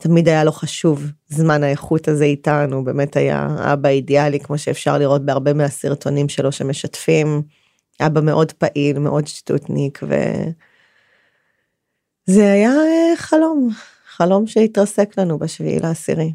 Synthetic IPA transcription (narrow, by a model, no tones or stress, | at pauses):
tamidajalo̞χaʃuvzmanaeχutaze̞itanube̞ːme̞taja̰a̰baidealikmo̞ʃeːfʃaʁliʁo̞t̚beaʁbe̞measiʁtʰo̞nimʃelo̞ʃemeʃatfim | ʔabame̞ʔo̞dpaʔilme̞ʔo̞dʃtṵtnikvḛ | zeajaeχalo̞m | χalo̞mʃeitʁɐse̞klanubaʃv̰ḭlʔaːsḭʁi